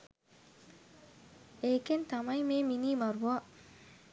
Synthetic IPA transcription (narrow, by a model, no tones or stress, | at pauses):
ekent̪amajmeminimaɾboa